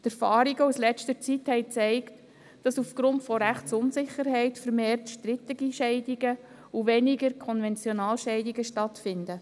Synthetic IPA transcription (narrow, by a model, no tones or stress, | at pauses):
t̪æɾfɑːɾiɡəuslɛt͡stəɾt͡sithɛɪt͡sɛɪkt | d̥ɑsufɡ̥ɾʊntfɔɾæχtsʊnsɪχəɾɦɛɪtfəɾmeːrtʃtɾɪt̪əɡiʃɛɪdiɡə | uʋɛniɡəɾkʰɔnvɛnt͡sjɔnɑːlʃɛɪdiɡəʃtɑtfɪndə